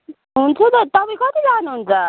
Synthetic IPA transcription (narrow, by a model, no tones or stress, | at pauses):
ɦunt͡sʰut̪ʌt̪ʌpaj̃kʌt̪id͡zanuɦunt͡sʰʌ